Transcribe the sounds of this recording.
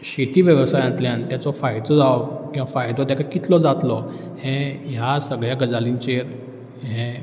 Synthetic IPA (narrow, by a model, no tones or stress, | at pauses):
ɕet̪iːʋjəʋsajãnt̪ljãnt̪jat͡sɔfajd̪ʱɔd͡zawkĩw̃ʋafajd̪ʱɔt̪jakakit̪lɔd͡zat̪lɔ | hɛ̃ɦjasəɡɭjaɡəd͡zalĩɲt͡ɕeɾ | ɦɛ̃